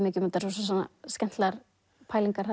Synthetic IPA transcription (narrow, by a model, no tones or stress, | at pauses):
mɪːcʏmɛt̪ːasɔsɔsɔnːa̰scɛn̥t̪laɾ | pʰaːjliŋkaɾ̥ha